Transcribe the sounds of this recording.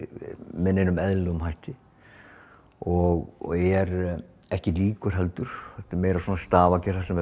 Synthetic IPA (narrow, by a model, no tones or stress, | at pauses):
mɛnːenʏmɛðlʏɣʏmɦajht̪ɪ | ɔɣɛɾ | ɛhcɪliːkʏɾ̥ɦɛlt̪ʏɾ̥θɛt̪ɪmeːjɾasoːnast̪aːvacɛrasɛmɛ